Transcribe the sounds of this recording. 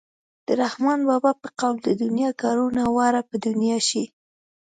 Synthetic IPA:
d̪̥əɾahmɑnbɑbɑpəqawld̪əd̪ʊnjɑɡɑɾunawɑɾapəd̪ʊnjɑʃi

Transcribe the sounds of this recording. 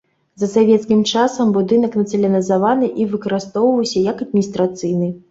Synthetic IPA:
zɐsavʲɛt̪skʲimt͡ʂasɐmbud̪ɨnɐknɐt̪sɨlʲɐnʲɐizavanɨʔivɨkɐɾɨst̪ɔwvɐwsʲɐjɐkɐd̪̚mʲinʲist̪ɾat̪sɨjnɨ

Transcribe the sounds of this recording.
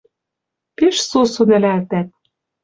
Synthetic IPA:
peʃsusunɘ̆lælt̪æt̪̚

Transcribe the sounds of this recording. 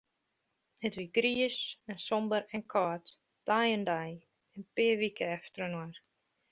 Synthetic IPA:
ətʋiɡɾiəsɛnsɔmbəɾɛnkʰɔːt | d̥ajəndaj | ɛnpɪəʋikʰəɛftəɾənwar

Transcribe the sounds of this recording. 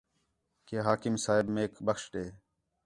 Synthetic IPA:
keːɦaːkɪmsaːɦɪbmeːkbəxʂʈeː

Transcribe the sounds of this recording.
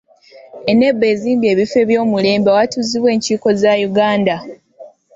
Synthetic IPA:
e̞ne̞bːe̞ziːmbie̞ːβife̞βjo̞ːmule̞ːmbawatuziβwe̞ːɲciːko̞zajuɡaːnda

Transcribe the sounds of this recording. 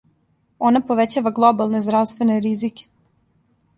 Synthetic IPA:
o̞napo̞ʋet͡ɕaːʋaɡlˠo̞balˠnezd̪ɾavst̪veneɾizike̥

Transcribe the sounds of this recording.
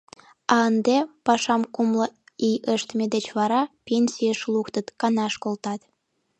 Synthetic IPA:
ɑənd̪epɑʃɑmkumlə | ijəʃt̪med̪et͡ɕβɑɾɑpʲenʲsʲijəʃlukt̪ət̪kɑnɑʃkolt̪ɑt̪

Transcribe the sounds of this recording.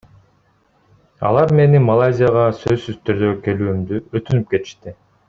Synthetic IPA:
ɑ̰lˠɑɾme̞nimɐlˠazʲijaʁɑsøzsyz̥t̪yɾd̪øke̞lyːymd̪yøt̪ynyp̚ke̞t̪i̥ʃt̪i

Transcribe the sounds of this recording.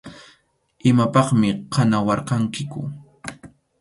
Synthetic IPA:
ʔɪmapɑχmɪqʰanawɑɾqɑŋkɪkʊ̰

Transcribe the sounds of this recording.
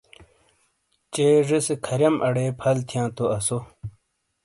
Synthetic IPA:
t͡ɕeːʐisekʰɐɾjɐmʔɐɽeːpʰɐlt̪ʰjãːt̪oɐso

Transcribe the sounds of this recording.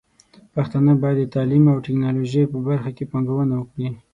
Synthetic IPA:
paxt̪ɑnabɑjad̪d̪ːət̪ɑlimawʈɪknɑloʒəjpəbaɾxakepɑŋɡawənawəkɽi

